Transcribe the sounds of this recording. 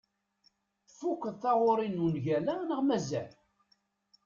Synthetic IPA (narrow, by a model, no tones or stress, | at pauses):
θfukʷːəðθaʁʊɾinunʝælænəʁmæzæ̰l